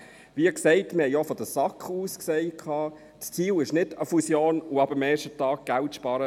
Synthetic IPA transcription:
viəksɛɪtmɪhɛjofɔd̥əsɑkχuːsksɛɪkʰɑː | st͡siːlɪʃnɪdəfusjoːnʊɑbəmɛːʃtətɑːɡ̥̚ɡ̥æltʃpɑːɾə

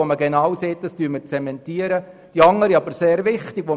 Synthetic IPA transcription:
oməɡɛnaːwseːt̚dɑstyːməɾt͡sɛmɛntiəɾə | d̥iɑŋːəɾiɑbəɾseːɾvɪχtɪɡ̥ʋo

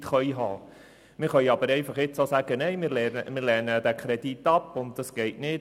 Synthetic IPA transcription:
tχœjɦɑː | mɪːɾχœʏɑbəɾɛɪfɑχɪt͡soːsæːɡ̥ənɛɪmɪɾlɛmɪːɾlɛnəd̥ækʰɾɛditːɑpːʊnt̚d̥ɑsɡ̥ɛɪtnɪt

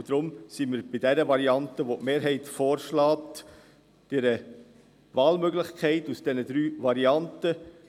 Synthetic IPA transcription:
d̥̪ɾʊmsimiːɾb̥ɪdɛɾəʋɑɾiɑntəʋotmeːɾɦɛɪtfoːɾʃlɑːt | d̥ɛɾə | vɑːlmøɡlɪχkʰɛɪtusd̥ɛnəd̪ɾyːʋɑɾiɑntə

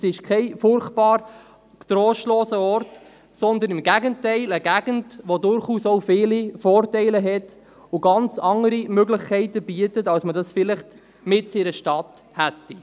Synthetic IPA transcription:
sɪʃkʰɛɪfʊrχtpɑːɾ | t̪ɾɔːʃtlɔːsəɔrt | sɔnd̪ənɪmɡæɡəntɛɪləɡæɡ̥əndʋodʊɾχuːsowfɪːlifɔːrtɛɪləɦɛt | ʊɡɑnt͡sɑŋəɾimøɡlɪχkʰɛɪtəb̥iətətɑwsmədɑsfɪlɪχt | mɪtsiɾəʃtɑt | hætːi

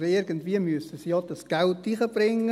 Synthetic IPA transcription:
ɪɾɡəntʋiəmyəsəsijɑd̥ɑsɡ̥æltːiχəb̥ɾɪŋːə

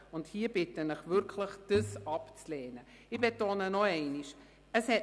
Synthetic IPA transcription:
ʊndhiːəb̥ɪtənɪχvʏɾkʰləχd̥əsɑpt͡slɛːnə | ɪbetoːnənɔɛɪniʃ | əshɛ

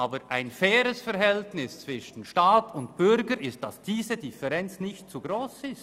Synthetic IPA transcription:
aːbəɾʔaɪnfɛːɾəsfɛɐɾɦɛltnɪst͡sv̥ɪʃən̩ʃtaːtʊntb̥ʏɾɡəɾɪst̚d̥asd̥iːzədɪfɛʁɛnt͡snɪçtt͡suɡʁoːsɪst

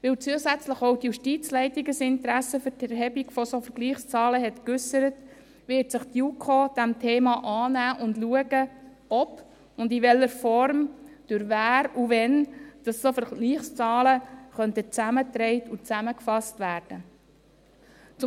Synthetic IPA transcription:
ʋɪwt͡suəsæt͡sləχowtjuʃtiːt͡slɛɪtiɡəsɪntəɾæsəfʏtɛɾɦɛbiɡfɔsofəɾɡ̥liːχst͡sɑːləɦɛtkʏsəɾət | ʋɪːtsɪχtjukʰod̥æmtʰeːmɑʔɑːnæːʔʊndluəɡə | ɔp | ʊndiʋɛlːəɾfɔɾmd̥ʉɾvæːɾuvɛnd̥ɑsːofəɾɡliːχst͡sɑːləχœnt̪ət͡sæmət̪ɾɛɪtut͡sæməkfɑstʋæːɾd̥ə | t͡sʊ

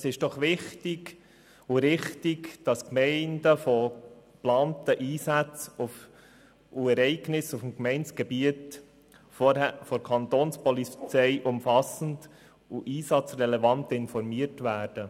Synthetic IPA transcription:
sɪʃd̥ɔχʋɪχtɪɡ | ʊɾɪχtɪɡd̥ɑskmɛɪndəfɔplɑːntəʔiːsæt͡suf | uɛɾɛɪɡnɪsufm̩kmɛɪnt͡sɡ̥ɛbiət | fɔɛfɔɾkʰɑnt̪oːnspɔlit͡sɛɪʔʊmfɑsən̩d | uʔiːsɑt͡srɛlɛvɑntɪnfɔɾmiəɾtʋæːɾd̥ə

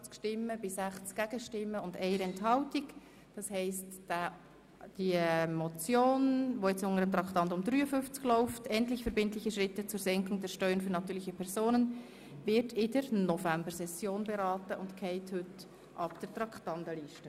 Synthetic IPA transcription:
t͡skʃtɪmːəbɪsæχt͡skɡ̥æɡ̥əʃtɪmːəʊndɛɪəɾɛnthɑʊtɪɡ | d̥ɑshɛɪst | d̥imɔt͡sjoːnʋojɛt͡sʊŋəɾəmt̪ɾɑktɑndʊmd̥ɾyːəfʏft͡sklɔʊftʰɛntlɪçfɛɾbɪntlɪçəʃɾɪtːət͡suːɾsɛŋkʊŋdɛɾʃtœʏənfyɾnɑtyːlɪçəpʰɛɾzoːnən | vɪɾtɪdəɾnɔfæmbəɾsɛsjoːnbɛɾɑːtəʔʊntkʰɛɪthʏt | ʔɑpd̥əɾtɾɑkʰtɑndəliːʃtə

